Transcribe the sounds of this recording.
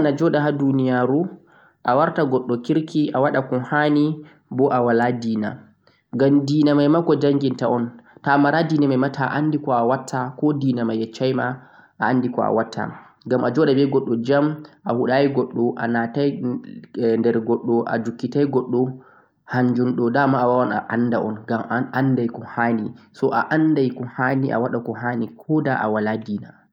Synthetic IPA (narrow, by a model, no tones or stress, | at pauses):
nad͡ʒɔɗaɦadunijaːɾu | ʔawaɾtaɡɔɗːɔkiɾkʰiʔawaɗakɔnhani | bɔʔawaladiːna̰ | ɡamdiːnamajmakɔd͡ʒaŋɡintaʔɔntamaɾadiːnamajmatʰaʔandikɔawatʰːakɔdiːnamajɛt͡ʃːajma | ʔaːndikɔa̰watʰːa̰ | ɡamʔad͡ʒɔɗabɛɡɔɗːɔd͡ʒamʔahuɗajiɡɔɗːɔʔa̰nataj | ndɛɾɡɔɗːɔʔa̰dukːitajɡɔɗːɔ | haɲd͡ʒunɗɔdamaːwawanaʔanːdaʔɔ̰nɡamandajkɔhaːnisɔʔaʔandajkɔhaːniʔa̰waɗakɔɦanikʰɔdaʔa̰waladiːna